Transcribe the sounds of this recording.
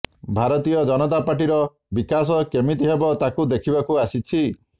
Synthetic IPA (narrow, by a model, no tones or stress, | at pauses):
bʱaɾɔt̪ijɔd͡ʒɔnɔt̪apaʈ̬iɾɔ | bikas̬ɔkemit̪iɦebɔt̪akud̪ekʰibakuasit͡ʃʰi